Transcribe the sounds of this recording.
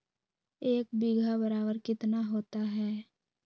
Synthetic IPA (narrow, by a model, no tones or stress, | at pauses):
eːk̚biɡʱabəɾaːbəɾkɪt̪naɦoːt̪aɦɛː